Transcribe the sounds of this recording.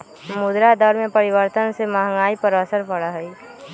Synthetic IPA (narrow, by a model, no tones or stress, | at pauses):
mʊd̪ɾad̪ɔɾmẽpəɾɪʋəɾt̪ənsemaːɦŋaːipəɾəsəɾpəɽaɦɛi